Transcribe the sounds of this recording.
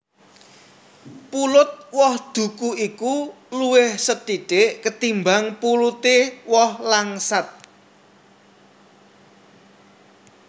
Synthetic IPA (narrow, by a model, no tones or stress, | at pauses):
pulʊt̪̚wɔhd̪̥ṳkuiku | luwɪhsət̪iɖ̥eʔkət̪imbaŋpulut̪ewɔhlaŋsat̪̚